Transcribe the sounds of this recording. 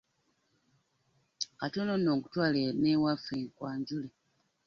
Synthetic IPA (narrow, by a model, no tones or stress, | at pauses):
katononoːkutwaːlenewafeŋkwaːɲɟule